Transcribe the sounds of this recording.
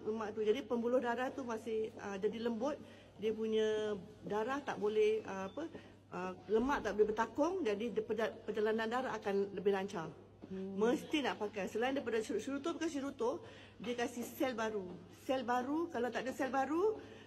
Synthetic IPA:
ləmaʔt̪ud͡ʒadipəmbulʊhdaɾaht̪umasɪhə̰d͡ʒadiləmbʊt̪̚ | diəpuɲə̃ | daɾaht̪a̰ʔbolɛhəapə | ʔələmaʔt̪aʔbolɛhbərt̪akʊŋd͡ʒadipəapəd͡ʒalanandaɾaɦakanləbɪhlaɲt͡ʃaŋ | məst̪inaʔpakajsəlaɪndajpadasiɾut̪opəkasiɾut̪ʊ | diəkasɪhsɛlbaɾu | sɛlbaɾukalawt̪aʔdəsɛlbaɾu

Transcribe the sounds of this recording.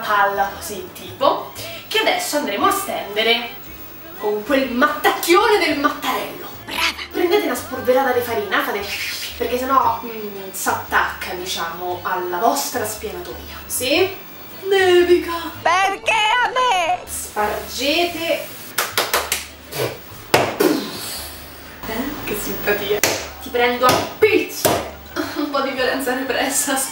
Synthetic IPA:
palːakɔsint̪iːpokead̪ɛsːoand̪ɾeːmoast̪ɛnd̪eɾe | koŋkwelmat̪ːakːjoːned̪elmat̪ːaɾɛlːo̰bɾaːvapɾend̪eːt̪eunasporveɾaːt̪ad̪efaɾinaːt̪ad̪eperk̟esːenːɔ | sat̪ːakːad̪it͡ʃaːmoalːavɔst̪ɾaspjanat̪ṵːja̰si | d̪ed̪ikapeɾkeamespard͡ʒeːt̪e | ɛkesːimpat̪iːat̪ipɾɛnd̪oapit̪so | umpɔd̪ːivjolɛnt̪saɾipɾɛsːa

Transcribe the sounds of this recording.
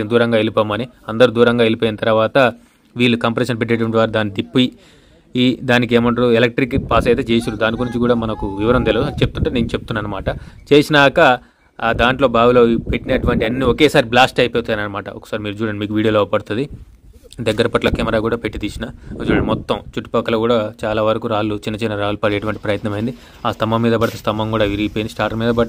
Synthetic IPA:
eːnd̪uːɾɐŋɡaːelipaːmɐniɐnd̪ɐɾuːd̪uːɾɐŋɡaːelipoːjinɐt̪ɐɾɐʋaːt̪ɐ | ʋiːlːukɐmpɐɾeːʃɐnpeʈ̬ːeːʈɐʋɐɳʈiʋaːɾud̪aːnːid̪ipːuji | id̪aːnikeːmɐɳʈuuɛlek̚ʈɾikpaːsɐjt̪eːt͡ʃe̞ːsiɾud̪aːnikunuɲt͡ʃikuːɽaːmɐnɐkuʋiʋɐɾɐmt̪elɐt͡ʃe̞put̪unɳʈaːneːnut͡ʃe̞put̪unːɐnːɐmaːʈɐt͡ʃe̞ːsinaːkɐ | d̪aːɳʈlo̞ːbaːɡuloːpeʈːinɐʈuʋɐɳʈiɐnːiɔkeːsaːɾiblaːsʈɐjpɛt̪unːɐːnɐnːɐmaːʈɐ̰ʔɔkɐ̥saːɾimiːɾud͡ʒuːɾɐːɳɖimiːkuʋiːɽioːloːɐpɐɽut̪und̪i | d̪ɐɡːɐɾɐpɐʈlɐkɛːmɐɾaːkuːɽaːpeʈːit̪iːt͡ʃinɐot͡ʃɐɽimɔt̪ːɐmt͡ʃuʈːi̥pɐkːɐlɐkuːɽaːt͡ʃaːlaːʋɐɾɐkuɾaːlut͡ʃinːɐt͡ʃinːɐɾaːlupɐɽɛːɐʈuʋɐɳʈipɾɐjɐt̪nɐmɐjind̪i | aːst̪ɐmɐmːiːd̪ɐbɐɽɐt̪est̪ʰɐmbɐmkuːɽaːʋiɾipoːjind̪isʈaːɾmiːd̪ɐbɐɽ

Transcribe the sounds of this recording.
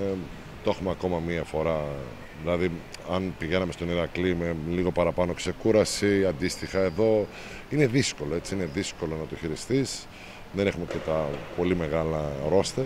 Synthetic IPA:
t̪oxumeɐko̞mɐmiɐfo̞ɾɐ | ðilɐðiɐnpiɣe̞nɐme̞st̪oniɾɐklime̞liɣo̞pɐɾɐpɐno̞kse̞kuɾɐsiɐnd̪ist̪ixɐe̞ðo̞ | ine̞ðisko̞lo̞e̞t͡siine̞ðisko̞lo̞nɐt̪oçiɾist̪is | ðenexume̞ce̞t̪ɐpo̞lime̞ɣɐlɐɾo̞st̪ɐ

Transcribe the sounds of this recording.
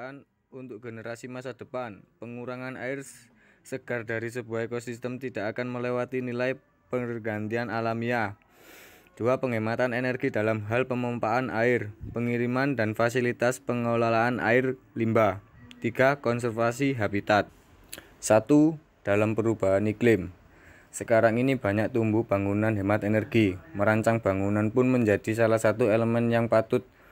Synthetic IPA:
an | unt̪ʊk̚ɡ̥ənəɾasimasad̥ə̤panpəŋuɾaŋana̰ɪr | səɡ̥ardaɾis̬əbuaekosist̪əmt̪id̥aʔakanməlewat̪inilaj | pəŋərɡant̪ianalamia | d̥uapəŋemat̪anenərɡ̥idalamɦalpəmampaanʔaɪrpəŋiɾimandanfasilit̪aspəŋalalaːna̰ɪrlimba | t̪iɡ̥akɔns̬ərfasiɦabit̪at̪̚ | sat̪u | d̥alampəɾub̥aɦaniklɪm | səkaɾaŋinib̥a̤ɲak̚t̪umbuhb̥a̤ŋunanɦemat̪enərɡ̥iməɾaɲt͡ʃaŋb̥a̤ŋunanpʊnməɲd͡ʒad̥isalahsat̪ueləmɛnjaŋpat̪ʊt̪̚

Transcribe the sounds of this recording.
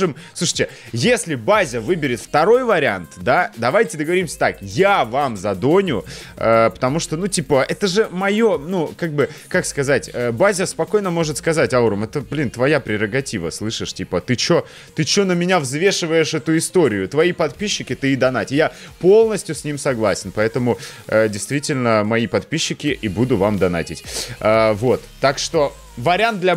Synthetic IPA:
ʐɨmsˠuʂɨ̥tʲɪ | jesʲlʲɪbazʲəvɨbʲɪɾʲɪt̪ft̪ɐɾo̞jvəɾʲɪa̰nt̪d̪ad̪ɐvajtʲɪd̪əɡəvɐɾʲimsʲə̥t̪akjavamzɐd̪o̞nʲʊəpə̥t̪ɐmuʂt̪onutʲipəʔɛt̪əʐɨmɐjonukaɡ̚bɨkakskɐzatʲəːbazʲəspɐko̞jnəmo̞ʐɨt̪skɐzatʲauɾəmɛt̪əblʲint̪vɐjapɾʲɪɾəɡɐtʲivə̰slˠɨʂɨʂtʲipət̪ɨt͡ɕo | t̪ɨt͡ɕonəmʲɪnʲavzvʲe̞ʂɨvəjɪʂɛt̪ʊɪst̪o̞ɾʲɪjʊt̪vɐipɐt̪pʲiɕːɪkʲɪt̪ɨɪd̪ɐnatʲɪjapo̞lˠnəsʲtʲjʊsʲnʲimsɐɡlˠasʲɪnpɐɛt̪əmʊədʲɪjst̪vʲitʲɪlʲnəmɐipɐt̪pʲiɕːɪkʲɪʔɪbud̪ʊvamd̪ɐna̰tʲɪtʲəvo̞t̪ːakʂt̪o̞ | vəɾʲant̪̚d̪lʲɐ

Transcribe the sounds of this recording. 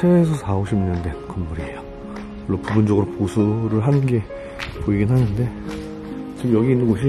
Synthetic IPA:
sʰeːsʰʌsʰaoɕʰimiɲʌnde̞kʌnmʌɾiejo | kɭːop͈ubund͡ʑʌɡɯɾoposʰuɾɯɭɦanɯnɡe̞ | poiɡinɦanɯnde̞ | t͡ɕimjʌɡiːnːɯnɡʌɕ̬ʰi

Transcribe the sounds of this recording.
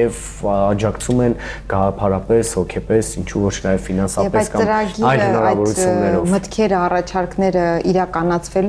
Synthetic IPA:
ɛv | ɑd͡ʒɑkt͡sʰumɛnɡ̥ɑʁɑpʰɑɾɑpɛshɔkʰɛpɛsint͡ʃʰuvɔt͡ʃʰnɑjɛvfinɑnsɑɛpɛjskɑt͡sːəmɾɑɡiɑjləhnɑɾɑjvɔɾut͡sʰjunːɛɾɔvmət̪kʰɛɾəɑrɑt͡ʃʰɑɾknɛɾəiɾɑkɑnɑt͡sʰvɛl

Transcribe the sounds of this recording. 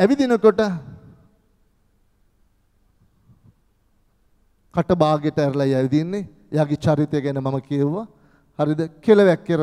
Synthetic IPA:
æʋid̪inəkoʈə | kaʈəbaːɡjeʈəæɾəlajɛʋid̪inːe | ejaːɡet͡ʃaɾit̪ɐjəɡænəmaməkieʋʋa | haɾid̪əkelɐʋɛkːeɾə

